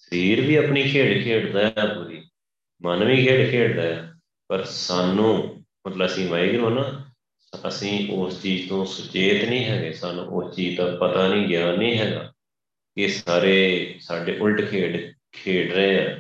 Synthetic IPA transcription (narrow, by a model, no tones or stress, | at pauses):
səɾiːɾʋiːaːpɳiːkʰeːɽkʰeːɽd̪aːjaːpuɾiː | mənʋiːkʰeːɽkʰeːɽd̪aːjaː | pəɾsaːnũː | mət̪ləbəsĩːʋaːiːɡəɾõːnaː | əsĩːʔoːst͡ʃiːd͡ʒt̪õːsʊt͡ʃeːt̪nĩːɦɛːɡeːsaːnṵ̃ːʔost͡ʃiːd͡ʒt̪aːpət̪aːnĩːɡjaːnːĩːɦɛːɡa̰ː | kɪsaːɾeːsaːɖeːʔʊlʈkʰeːɽ | kʰeːɽɾeːãː